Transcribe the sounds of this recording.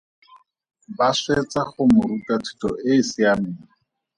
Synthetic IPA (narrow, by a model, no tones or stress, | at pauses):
baswet͡sʼaχʊmʊɾukʼatʰu̥tʼɔɪsɪamɪːŋ̩